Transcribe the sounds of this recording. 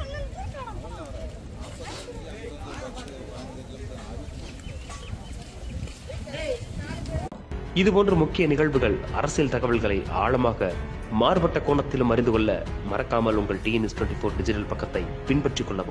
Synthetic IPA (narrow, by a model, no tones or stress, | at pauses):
ɪðɯpoːndrɐmʊkːɪjɐnɪɣɐɭʋɯɣɐɭɐ̰ɾɐsjlt̪ɐɣɐʋɐɭɣɐɭɐɪʔa̰ːɭɐmaːɣɐ | maːɾɯpɐʈːɐkoːɳɐt̪ːɪlɯmːɐɾɪnd̪ɯkɔɭːɐ̰mɐrɐkːaːmɐlʊŋɡɐɭʈinisʈwɐɳʈifoːɾɖɪd͡ʒɪʈɐlpɐkːɐt̪ːɐɪpɪnpɐʈrɪkːɔɭːɐpɯ